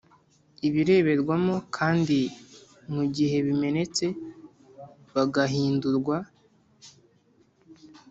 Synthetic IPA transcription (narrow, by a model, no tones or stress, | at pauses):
iβiɾe̞ːβe̞ɾɡwamo̞kʰaːndi | muɟiɦe̞βime̞ne̞t͡se̞ | βaɡaɦiːnduɾɡwa